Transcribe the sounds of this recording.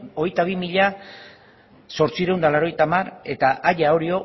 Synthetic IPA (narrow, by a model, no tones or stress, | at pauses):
oe̞jt̪aβ̞imiʎa | so̞ɾt͡sieɾewnd̪alaɾo̞ejt̪amare̞t̪aʔaʎaowɾio̞